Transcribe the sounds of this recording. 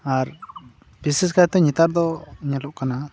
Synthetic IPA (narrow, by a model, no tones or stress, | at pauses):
aɾ | bisiskajt̪ɛɲɛt̪aɾd̪ɔɲɛlɔʔkana